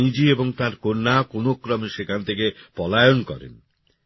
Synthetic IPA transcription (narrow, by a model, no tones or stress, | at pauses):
id͡ʑieboŋt̪aɾkoɾnakonokːɾɔmeʃekʰant̪ʰekepɔlajonkɔ̰ɾḛn